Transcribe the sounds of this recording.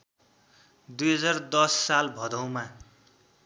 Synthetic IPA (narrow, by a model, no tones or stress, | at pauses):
d̪ujɦʌd͡zard̪ʌsːalbʱʌd̪ʌwma